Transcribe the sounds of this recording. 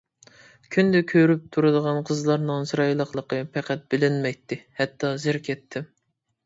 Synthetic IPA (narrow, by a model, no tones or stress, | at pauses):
kʲʰynd̪ɛkʲʰøɾyp̚t̪ʰuɾɨd̪əʁɑnqʰəzlˠɑɾnɨŋsɾɑjlˠəqlˠəqəpʰæqʰɛt̪̚bɪlɪnmɛjt̪ʰːɪhɛt̪ʰːɑzɪɾkʲʰɛt̪ʰːɪm